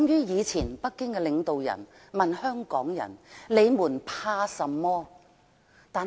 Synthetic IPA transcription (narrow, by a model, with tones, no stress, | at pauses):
ŋjyː˥jiː˨˧t͡sʰiː˨˩npɐ˥t̚kːɪ˥ŋkɛ˧lɪ˨˧ŋt̪o˨wjɐ̰˨˩n | mɐ˨nhœː˥ŋkɔː˨˥ŋjɐ̰˨˩nle˨˧jmuː˨˩npʰaː˧sɐ˨˧mːɔː˥ | t̪aː˨